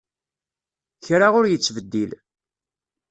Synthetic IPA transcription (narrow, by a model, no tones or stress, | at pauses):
çɾaʁʊɾjət͡sːvəd̪ːil